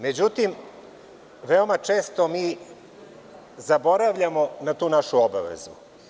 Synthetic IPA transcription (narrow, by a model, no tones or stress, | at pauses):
med͡ʑut̪im | ʋeomat͡ʂeːst̪omiː | zabo̞ɾaʋʎamonat̪uːnaʃuoba̰ʋḛzu